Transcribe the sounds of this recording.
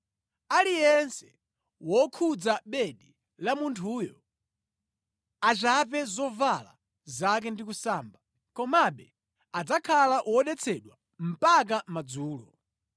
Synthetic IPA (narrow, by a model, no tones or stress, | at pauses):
alijɛnsɛ̥ | wɔkʰud͡zaɓɛɗi | lamuntʰuːjɔ | at͡ʃapɛzɔvala̰ | zak̬ɛndikusaːmba | kɔmaɓɛ | ad͡zakʰalaʔwɔɗɛt͡sʰɛɗwa | m̩pak̬amad͡zuːlɔ̰